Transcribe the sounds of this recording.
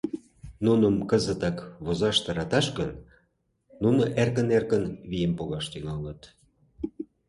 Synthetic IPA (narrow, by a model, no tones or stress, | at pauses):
nunəmkəzət̪ɑkβozɑʃt̪ɑɾɑt̪ɑʃkən | nunə̆ʔerkənerkənβijempoɣɑʃt̪yŋɑlət̪